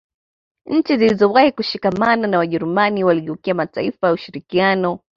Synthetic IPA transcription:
ɲ̩t͡ʃizilizɔwahikuʃikamananawaʄɛɾumaniwaliʄɛukiamataifajauʃiɾikianɔ

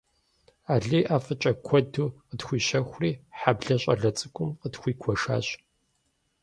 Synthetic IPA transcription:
aːɮiːʔaːfɨt͡ʃʼɐkʷʰɔdʰuːqətxʷiːʃɐxʷʊriːħabɮɐɕʷʼɐɮɐt͡sʼɨkʷʼʊmqətxʷiːkʷʰɔʂa̰ːɕ

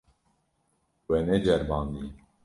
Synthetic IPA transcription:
wɛnɛd͡ʒɛɾmɑnd̪i

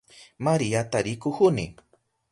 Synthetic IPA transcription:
maɾiat̪aɾɪkʊxʊnɪ̰

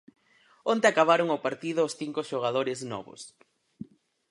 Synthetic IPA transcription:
ont̪eakaβ̞aɾʊŋopaɾt̪iðʊːsθiŋkʊʃoɣ̞aðoɾɪznɔ̰βʊ̰s

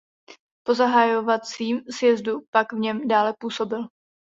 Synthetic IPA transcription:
po̞zaɦajo̞vat͡siːmzjɛzdupaɡvɲɛmdaːlɛpuːso̞bɪl

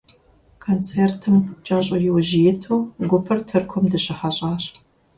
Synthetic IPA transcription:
kʰont͡sʰeːrtʰɨmt͡ʃʼaːɕʼɔjɪwɐʒɪjɛtʰuwɡʷʊpʰɐrtʰɨrkʷʰɔmdɨɕɪħaɕʼaːɕ

